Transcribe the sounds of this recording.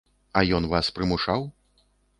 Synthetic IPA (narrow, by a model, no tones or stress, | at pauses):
ɐjɔnvaspɾɨmuʂaw